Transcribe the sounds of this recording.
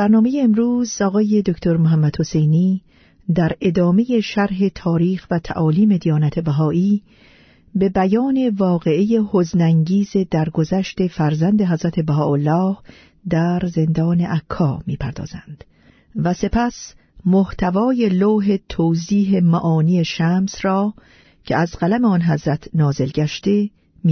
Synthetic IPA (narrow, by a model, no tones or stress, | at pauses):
bæɾnɒːmejeːmɾuːzɒːɣɒːje̞d̪okt̪ʰo̞ɾmoɦæmːæd̪ho̞se̞jniː | d̪æɾe̞d̪ɒːme̞je̞ʃæɾɦe̞t̪ʰɒːɾiːxvæt̪ʰæ̰ʔɒːliːme̞d̪ijɒːnæt̪ʰe̞bæɦɒːʔiː | be̞bæjɒːne̞vɒːɣe̞ʔeje̞hoznæŋɟiːze̞d̪æɾɡozæʃt̪e̞fæɾzænd̪e̞ɦæzɾæt̪ʰe̞bæɦɒːolːɒːh | d̪æɾze̞nd̪ɒːne̞ʔækʰːɒːmiːpʰæɾd̪ɒ̰ːz̥ænd̪̥ | væse̞pʰæs | moht̪ʰævɒːjeloːɦe̞t̪ʰoːziːɦe̞mæʔɒːniːe̞ʃæmsrɒː | cʰeæzɢælæme̞ɒnɦæzɾæt̪ʰnɒːze̞lɟæʃt̪e̞ | mi